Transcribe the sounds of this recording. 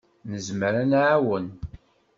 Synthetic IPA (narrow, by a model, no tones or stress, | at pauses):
nəzməɾænʕawən